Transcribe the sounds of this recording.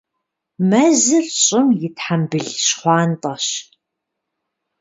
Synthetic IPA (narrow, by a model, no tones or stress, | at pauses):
mɐzɨrɕʼɪmjɪtħambɨɮɕχʷɑːntʼɐɕ